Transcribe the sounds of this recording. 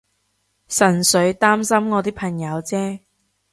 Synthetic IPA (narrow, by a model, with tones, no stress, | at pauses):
sɐ˨˩nsɵ˨˧˥ɥt̪aː˥msɐ˥mŋɔː˨˧t̪iː˥kpʰɐ˨˩ŋjɐ˨˧wt͡sɛː˥